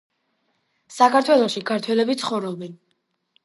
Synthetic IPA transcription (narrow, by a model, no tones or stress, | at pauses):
sakʰaɾt̪ʰwɛlˠɔʃikʰaɾt̪ʰwɛlɛbit̪sʰχɔvɾɔbɛn